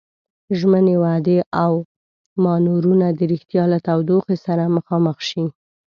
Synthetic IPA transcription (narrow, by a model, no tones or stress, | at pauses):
ʒmənewad̪eʔaw | mɑnuɾunad̪əɾixt̪jɑlat̪awd̪oxesaɾaməxɑməxʃi